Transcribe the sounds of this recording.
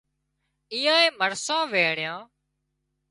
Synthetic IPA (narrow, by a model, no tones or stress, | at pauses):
iːjãːẽːməɾsãːʋeːɽɪjãː